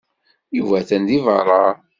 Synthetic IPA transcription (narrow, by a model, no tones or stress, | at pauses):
juvæθænd̪ivɑɾˤɑ